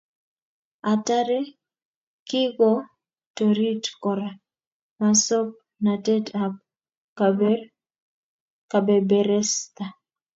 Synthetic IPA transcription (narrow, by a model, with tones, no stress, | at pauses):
a˨ta˦ɾɛ˦ | kɪ˦ɡɔ˦ | to˨ɾi˦tkɔɾa˨ | ma˨sɔ˦p̚ | na˨tɛ˦tap̚ | ka˨bɛ˨bɛ˨ɾɛ˦st̪a